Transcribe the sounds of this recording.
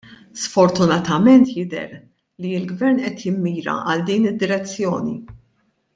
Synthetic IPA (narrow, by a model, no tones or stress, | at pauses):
sfɔɾt̪ʊnɐt̪ɐmɛnt̪jɪd̪ɛ̰ɾ | liɪlɡvɛɾnʔɛt̪jɪmːiːɾɐ̰ʔɐld̪iːnɪd̪ːɪɾɛt͡sːjɔːnḭ